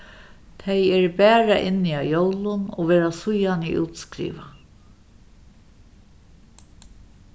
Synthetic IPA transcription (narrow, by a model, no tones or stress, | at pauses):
t̪ʰɛjɛɹbæːɾaʔɪnːiaːjowlʊno̰ʋeːɾasʊjaniʔṵːt̪skɾḭːʋa